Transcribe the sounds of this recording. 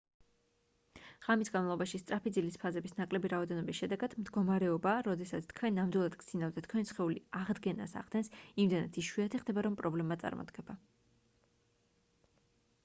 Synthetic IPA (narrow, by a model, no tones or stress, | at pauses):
ʁamisɡanmalˠɔbaʃist̪ʼɾapid̪zilispʰazɛbisnakʼlɛbiɾaɔd̪ɛnɔbisʃɛd̪ɛɡad̪̥md̪ɡɔmaɾɛɔbaɾɔd̪ɛsat̪sʰt̪̚ʰkʰwɛnːamd̪wuilˠad̪ɡ̪z̥inavd̪at̪ʰkʰwɛnisχɛuliaʁd̪ɡɛna̰sa̰ʁd̪ɛnsimd̪ɛna̰t̪ʰiʃwiat̪ʰiχd̪ɛbaɾɔmpʼɾɔblɛmat̪sʼa̰ɾmɔ̰d̪ɡ̥ɛba